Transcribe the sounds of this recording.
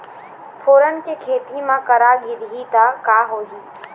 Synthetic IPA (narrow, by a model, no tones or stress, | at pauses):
pʰoːɾənɪ̆t͡ɕeːkʰeːt̪imãːkəɾaːɠɪɾɪɦiːt̪aːkaːɦoːɦiː